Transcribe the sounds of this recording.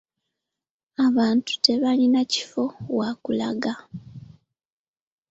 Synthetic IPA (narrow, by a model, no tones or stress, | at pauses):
aβaːntu̥te̞βalinaci̥fo̞wakula̰ɡa